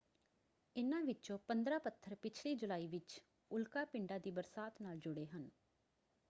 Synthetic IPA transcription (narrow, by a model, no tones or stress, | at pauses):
ɪnãːʋɪt͡ʃõːpənd̪ɾaːpət̪ʰːəɾpɪt͡ʃʰliːd͡ʒʊlaːiːʋɪt͡ʃ | ʊlkaːpɪɳɖaːd̪iːbəɾsaːt̪naːld͡ʒʊɽeːɦən